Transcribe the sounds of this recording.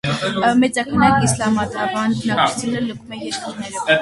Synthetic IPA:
mɛt͡sɑkʰənɑkislɑmɑt̪ɾɑbɑnbənɑkʰu̥t͡sʰunələkʰumɛjɛɾkiɾnɛɾɔ

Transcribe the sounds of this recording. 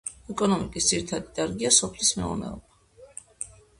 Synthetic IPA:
ɛkʼɔnɔmikʼisd̪ziɾit̪ʰad̪id̪̥aɾɡiasɔpʰlismɛṵɾnɛ̰ɔ̰ba

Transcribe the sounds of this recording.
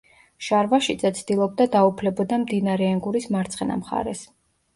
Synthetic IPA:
ʃaɾvaʃit̪sʼɛt̪sʰd̪̥ilˠɔb̚d̪ad̪aupʰlɛbɔd̪amd̪inaɾɛɛŋɡuɾismaɾt̪sʰʼχɛna̰mχa̰ɾɛs

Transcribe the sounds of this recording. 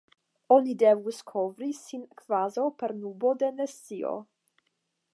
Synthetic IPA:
ɔnidɛvuskʰɔvɾisinkʰv̥azowpɛɾnubod̪ɛnɛsio̰

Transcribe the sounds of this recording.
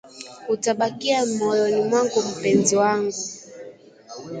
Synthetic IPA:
utaɓakiamɔjɔnimwaŋɡum̩pɛnziwaŋɡu

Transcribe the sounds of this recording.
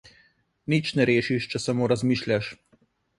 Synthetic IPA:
nit͡ʃnɛɾeːʃiʃt͡ʃɛsamoːɾazmiːʃlʲjaʃ

